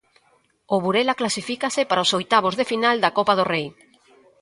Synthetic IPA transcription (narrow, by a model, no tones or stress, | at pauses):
oβuɾelaklasifikasepaɾaosojt̪aβ̞ozðefinald̪akopaðorej